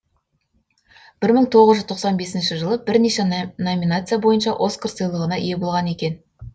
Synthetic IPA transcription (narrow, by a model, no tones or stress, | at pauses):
b̥ɪɾməɴt̪ʰo̞ʁəzʒʏzt̪ʰo̞qsɑnbe̞sɪnʃɪʒəlˠəbɪɾneʃenomʲinat̪sɨjabo̞jənʃɑʔo̞skʰərsəjlˠəʁənɑʔḭje̞bo̞lˠʁɑne̞kʲe̞n